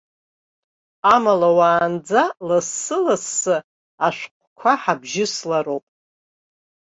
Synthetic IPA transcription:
amalawaːnd͡zalasːɨlasːɨ | aʃʷqʷʰʼkʷʰaħabʒɪslaɾowpʼ

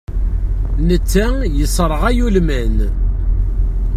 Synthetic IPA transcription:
nət͡sːæjəsˤɾˤʁæjulmæn

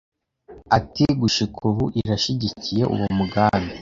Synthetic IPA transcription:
atiɡuʃikʰuβuʔiɾaʃiɟicije̞ʔṵwomuɡaːmi

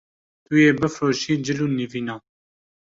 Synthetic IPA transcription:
t̪ujeːbɨfɾoːʃiːd͡ʒɪluːniviːnɑː

